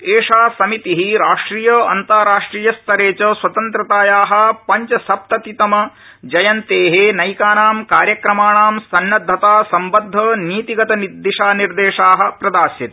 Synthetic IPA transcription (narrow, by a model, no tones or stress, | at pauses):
eːʂaːsɐmit̪iɦiɾaːʂʈɾiːjɐɐ̰nt̪aːɾaːʂʈɾiːjɐst̪ʰɐɾeːt͡ʃɐswɐt̪ɐnt̪ɾɐt̪aːjaːɦɐ̆pɐɲt͡ʃɐsɐp̚t̪ɐt̪it̪ɐmɐ | d͡ʒɐjɐnt̪eːɦenɐjkaːnaːmkaːɾjɐkɾɐmaːɳaːmsɐnːɐd̪ʱːɐt̪aːsɐmbɐd̪ʱːɐniːt̪iɡɐt̪ɐnid̪ːiʂaːniɾd̪eːʂaːɦɐ̆pɾɐd̪aːsjɐt̪i̥